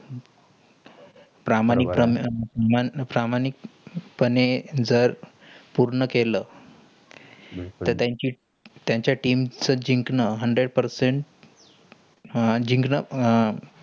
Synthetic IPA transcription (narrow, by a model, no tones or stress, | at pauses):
pɾamanipɾəmpɾamanik̚pəned͡zəɾ | puɾɳəkelə | t̪əɾt̪jaɲt͡ɕiː | t̪jaɲt͡ɕjaʈiːmt͡səd͡ʑiŋknəɦəɳɖɾeɽpəɾseɳʈ | d͡ʑiŋknə